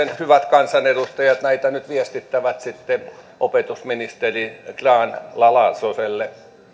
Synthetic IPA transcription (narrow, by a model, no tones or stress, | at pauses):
enhyʋæt̪kɑnsɑnedust̪ɑjɑt̪næit̪ænyt̪ʋiɛst̪it̪ːæʋæt̪sit̪ːe | ʔopet̪usminist̪erikrɑːnlɑlɑsoselːe